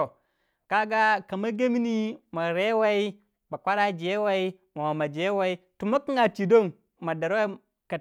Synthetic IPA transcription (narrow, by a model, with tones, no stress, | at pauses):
ka˦ɡa˦ka˨ma˦ɡe˦mi˦ni˦ma˨ɾe˦wa˦i˦ | ma˨kʷa˦ɾa˦d͡ʒe˦wa˦i˦ | ma˨ma˨ma˨d͡ʒe˦wa˦i˦ | tu˨ma˦ki˦ŋa˨t͡ʃi˨do˦˨n | ma˨da˨ɾwa˦i˦ | ka˨